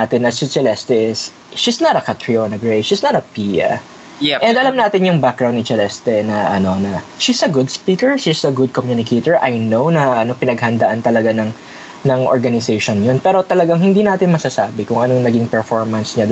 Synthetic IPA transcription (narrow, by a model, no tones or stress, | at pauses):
at̪ɪnɐsɪt͡ʃɛlɛst̪ɛʔɪs | ʃisnɐt̪ɐkɐt̪ɹionɐɡɹejʃisnɐt̪ɐpiːɐ̰ | ʔɛnd̪ʔɐlamnaːt̪ɪnjʊŋbak̚ɡɾawnd̪ɪt͡ʃɛlɛst̪ɛnɐʔɐno̞nɐʃisɐɡʊd̪spiːkɛɹʃisɐɡʊd̪̚komjunɪkʰejt̪ɛɹʔɐjnownɐʔɐno̞pɪnɐɡhɐnd̪ɐʔant̪ɐlɐɡanɐŋ | nɐŋʔo̰ɹɡɐnɪsejʃonjonpɛːɾo̞t̪ɐlɐɡaŋɦɪnd̪iːnaːt̪ɪnmɐsasaːbɪkʊŋɐnoŋnɐɡɪŋpɛɹfoɹmɐnsɲɐ